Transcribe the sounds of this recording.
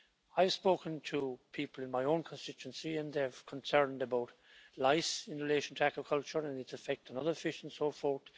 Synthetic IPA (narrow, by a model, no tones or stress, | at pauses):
aɪəv̥spoːkə̃ntʰəpʰipəlˠɪ̃nmaɪõʊ̃nkʰə̃nstɪt͡ʃə̃nsiə̃nðə̥˞kʰə̃nsɜ̃˞ndəbaʊt | laɪsɪ̃nɹɪleɪʃə̃n̩tʰəæɡɹəkʰʌlˠt͡ʃə˞ə̃nɪtsəfɛk̚tənʌðə˞fɪʃn̩sofɔɹt